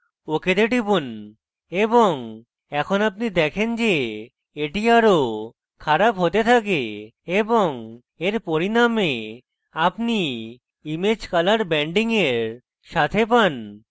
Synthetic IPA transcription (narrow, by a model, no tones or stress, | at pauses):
oked̪eʈibun | eboŋ | ɛkʰonapnid̪ɛkʰend͡ʑe | eʈiaɾo | kʰaɾapɦot̪et̪ʰak̬eeboŋ | eɾpoɾiname | apni | imed͡ʑkalaɾbɛɳɖiŋeɾ | ʃat̪ʰepan